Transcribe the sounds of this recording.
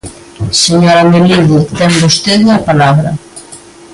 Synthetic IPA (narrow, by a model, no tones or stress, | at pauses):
seɲoɾameliðit̪ɛmbost̪eðuŋapalaβɾɐ̰